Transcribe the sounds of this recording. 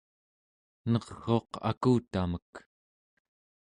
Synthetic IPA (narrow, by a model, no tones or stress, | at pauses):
nʌʁɣo̞ːqa̰kuːt̪amək